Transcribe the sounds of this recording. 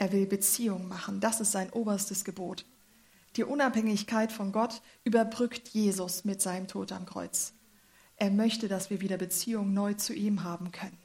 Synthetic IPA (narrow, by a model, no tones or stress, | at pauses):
ʔeːɐvɪlbət͡siːʊŋmaχn̩dasɪstz̥aɪnʔoːbɐstəsɡ̥əboːt | d̥iːʔʊnaphɛŋɪçkʰaɪtfɔnɡɔt | ʔyːbɐbʁʏktʰjeːzʊsmɪtz̥aɪnəmtʰoːta̰mkʁ̥ɔ̰ʏt͡s | ʔeːɐmœçtədasv̥iːɐviːdɐbət͡siːʊŋnɔʏt͡suʔiːmɦaːbm̩kʰœnən